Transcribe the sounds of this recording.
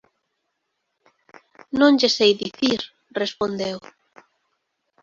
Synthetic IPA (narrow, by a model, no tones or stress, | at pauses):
nõŋʎesejðiθiɾ | respond̪ew